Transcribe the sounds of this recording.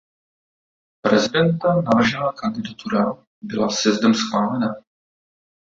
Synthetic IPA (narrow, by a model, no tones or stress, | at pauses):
pɾɛzɪdɛnt̪anavr̩ʒɛnaːkand̪ɪdat̪uɾa | bɪlasjɛzdɛmsxvaːlɛna